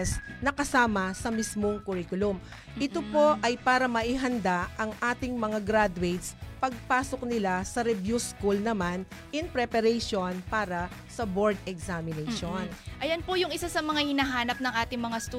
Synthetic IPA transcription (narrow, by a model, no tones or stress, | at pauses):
snɐkɐsaːmɐsɐmismoŋkʊɾikʊlʊm | ʔɪt̪opo̞ʔɐjpaːɾɐmɐʔɪɦɐnd̪aʔɐŋʔaːt̪ɪŋmɐŋaɡɾad̪ʊwɛjt̪spɐɡ̚paːsok̚nɪlasɐɾɛbjuskulnɐmanʔɪŋpɾɛpɐɾɛjʃonpaːɾɐsɐboɹd̪ɛksamɪnɛjʃonʔɐjɐnpojʊŋɪsasɐmɐŋahɪnaɦaːnɐp̚nɐŋʔaːt̪ɪŋmɐŋast̪u